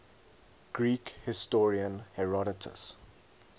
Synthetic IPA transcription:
ɡ̥ɹiːkhɪstɔɹiə̃nhɛɹɔɾɪtʰə̰s

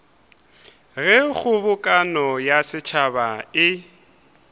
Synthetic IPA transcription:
ɣɛk͡xʰʊbʊkʼanɔjasɪt͡ʃʰabaɪ

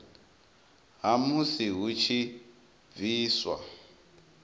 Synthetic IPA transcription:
ɦamusiɦut͡ʃʰi | b̪viːswa̰

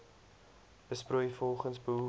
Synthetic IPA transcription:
b̥əsprujfɔlˠχənsbəɦu

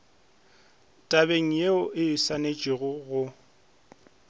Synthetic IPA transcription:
tʼabeŋ̩jeʊʔɪsanet͡ʃʼɪɣʊɣʊ

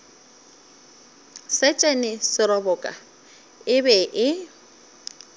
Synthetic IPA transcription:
sɛt͡ʃʼɛnɪsɪɾɔbɔkʼa̰ | ɪbɛʔɪ

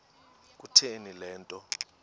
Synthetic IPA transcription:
k̬ʼutʰenilɛːntʼɔ

